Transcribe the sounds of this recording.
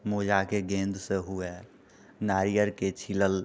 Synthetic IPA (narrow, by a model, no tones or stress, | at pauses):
moːd͡ʒakeɡẽːnd̪ʱseɦue | naːɾijəɾket͡ʃʰiləl